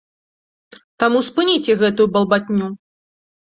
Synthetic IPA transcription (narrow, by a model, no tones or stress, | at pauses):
t̪amuspɨnʲit͡sʲɛɣɛt̪ujubɐlˠbat̪ʲnʲu